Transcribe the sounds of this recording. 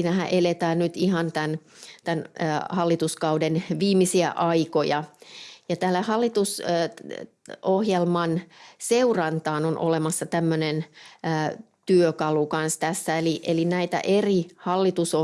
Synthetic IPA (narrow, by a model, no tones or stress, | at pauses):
iːnæhæʔelet̪æːnnyt̪ihɑnt̪ænt̪ænːhɑlːit̪uskɑudenʋiːmisiæ̰ʔɑikojɑjɑt̪æːlːæhɑlːit̪us | ohjelmɑnseurɑnt̪ɑːnonʔo̰lemɑsːɑt̪æmːønenː | t̪yøkɑlukɑnst̪æsːæeliʔelinæit̪æ̰ʔerihɑlːit̪uso